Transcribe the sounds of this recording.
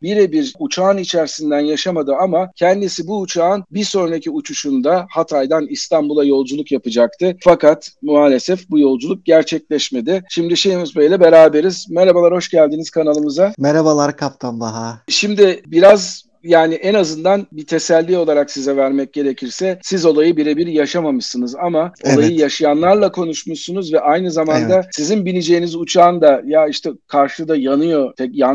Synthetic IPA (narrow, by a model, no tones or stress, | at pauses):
biɾɛbiɾut͡ʃʰaːnit͡ʃʰæɾsind̪ænjaʃamad̪ɯamacʰɛnd̪isibuːt͡ʃʰaːɯnbiso̞nɾacʰiut͡ʃʰuʃund̪ahat̪ʰajd̪anist̪ambulˠajo̞lˠd͡ʒulˠukjapɯd͡ʒak̚t̪ʰɯfakat̪muaːlʲesɛfbujo̞lˠd͡ʒulˠuk̚ɟæɾt͡ʃʰɛclʲɛʃme̞d̪ɪʃimd̪iʃejimizbø̞jlʲɛbe̞ɾaːbeɾizmeɾabalˠaɾho̞ʃɟælʲd̪iniz̥kʰanalˠɯmɯzameɾabalˠaɾkʰap̚t̪ʰanbaɦaʃimd̪ɪbiɾaz | jaːnɪʔɛnazɯnd̪anbit̪ʰe̞sælʲːio̞lˠaɾaksizɛvæɾmɛc̚ɟe̞ɾecʰiɾsɛsizo̞lˠajɯbiɾɛbiɾjaʃamamɯʃsɯnɯzamao̞̰lˠajɯjaʃijanlˠaɾlˠakʰo̞nuʃmuʃsunuzvɛʔajnɯzamand̪asizinbinʲid͡ʒe̞jinizut͡ʃʰaːnd̪ajaiʃt̪ʰɛkʰaɾʃɯd̪ajanɯjo̞t̪ʰɛja